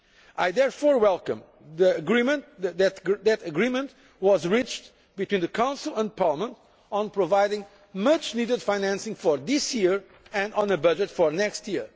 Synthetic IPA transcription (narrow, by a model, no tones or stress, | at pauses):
ajðɛɹfɔɹwɛlˠkə̰̃m | ðiɨɡɹĩmɨ̃nt̪̚ððɨtðɨtɨɡɹimə̃nt | wɔzɹit͡ʃt | bɨt̪wĩnðɨkʰãʊ̃nsl̩ˠə̃n̚pʰaɹləmə̃nt | ə̃npɹɔvaɪdɪ̃ŋ | mʌt͡ʃnidɨd̪faɪnæ̃nsɪ̃ŋfɔɹðɪsjiɹ | ɨ̃nɔ̃nɨbʌd͡ʒɨtfɔɹnɛkstjiɹ